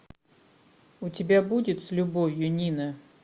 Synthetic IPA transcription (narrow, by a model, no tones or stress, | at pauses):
ʊtʲɪbʲabudʲɪt̪slʲʊbovʲjʊnʲinə